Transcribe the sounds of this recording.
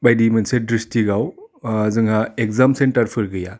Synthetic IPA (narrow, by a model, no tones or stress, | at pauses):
bajdimɐnsedɾistiɡawzɯŋaekzamsentɐɾpʰɯɾɡɯja